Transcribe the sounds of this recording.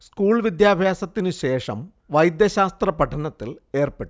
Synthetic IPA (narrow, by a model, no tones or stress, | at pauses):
skuːɭʋid̪jaːbʱjaːsɐt̪ːinɨɕe̞ːʂɐm | ʋɐjd̪jɐɕaːst̪rɐpɐʈʰːɐɳɐt̪ːile̞ːrpeʈːu